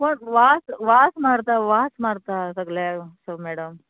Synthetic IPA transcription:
koɳʋaːsʋaːsmaːɽt̪aʋaːsmaːɽt̪at̪ɐɡlesomeːɽɐm

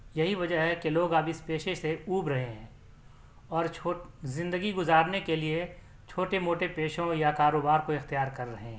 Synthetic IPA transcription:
jɐɦiʋɐd͡ʒəɦɦɛkeloːɡabɪspeːʃeseuːbɾɐɦeɦɛ̃ː | ɔːɾt͡ʃʰozɪ̃nd̪əɡiɡʊzaːɾnekelie | t͡ʃʰoːʈemoːʈepeːʃõjakaːɾoːbaːɾkoɪxt̪ijaːɾkɐɾːɐɦẽɦɛ̃

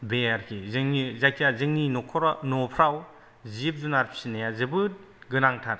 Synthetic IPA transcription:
beaɾkʰizɯŋnizajkʰjazɯŋninokʰɔɾɔnɔpʰɾaw | zip̚zunaɾpʰi̥sinajazɯbɯt̚ | ɡɯnaŋtʰaɾ

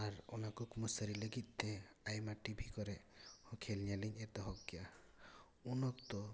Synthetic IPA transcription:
aɾɔnakukmɔsəɾiləɡit̪̚ˀt̪ʰeajmaʈibʱikɔɾɛhɔkʰelɲaliɲet̪ɔɦɔkkːija | unɔkt̪ɔ

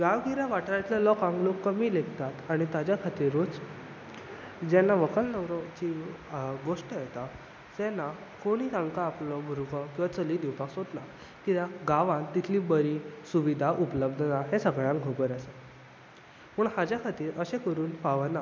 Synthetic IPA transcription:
ɡaʋɡiɾaʋaʈʰɾat̪ljalɔkãŋklokːəmiːleɡt̪at̪aɽ̃it̪ad͡ʑjakʰat̪iːɾot͡s | d͡ʑɛnːaʋəkəlnəwɾət͡ɕi | ɡoʂʈəjet̪a | sɛnːa | koɽ̃iːt̪ãŋkaːplɔbʱuɾɡɔkĩʋat͡səliːd̪iwpaksot̪na | kit̪aɡaʋãnt̪it̪ʰliːbəɾisuʋid̪ʱaʔupələbd̪ʱənaɦesəɡɭjãŋɡɡʱobəɾase | məɳhad͡ʑjakʰat̪iːɾʔəɕẽkəɾuːnpaʋəna

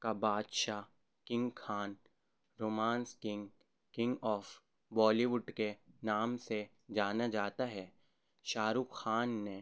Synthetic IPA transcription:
kabaːd̪ʃa | kɪ̃ŋɡkʰaːn | ɾoːmãːnskɪ̃ŋɡ | kɪ̃ŋɡɔːf | bɔːliʋʊɖkenaːmse | d͡ʒaːnad͡ʒaːt̪aɦɛː | ʃaːɾuːkxaːnːe

